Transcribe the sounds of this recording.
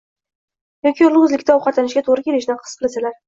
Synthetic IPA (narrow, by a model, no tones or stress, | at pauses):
jɒkʲʰiʊlˠʊʊzlɪkʲt̪aɒwqʰɑt̪anɪʃɡʲat̪ʰoʁɾɪkʲʰe̞lɪʃd̪anqʰɨ̥sqʰɨlasalaɾ